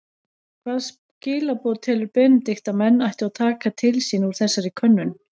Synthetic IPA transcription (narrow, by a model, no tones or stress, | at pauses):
kʰv̥aːðs | cɪːlapɔɾt̪ʰɛːlʏɾpɪnt̪ɪxt̪amɛnːajht̪ɪawt̪ʰaːkat̪ʰɪlsinuɾ̥θɛsːaɾɪkʰœnːʏn